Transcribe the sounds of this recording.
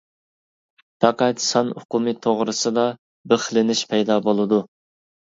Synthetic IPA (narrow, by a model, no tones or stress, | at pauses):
pʰɑqɛt̪sɑnʊqʊmɨt̪ʰoʁɾɨsɨd̪ɑ | bəχlɪnɪʃpʰɛjd̪ɑbolˠɨd̪u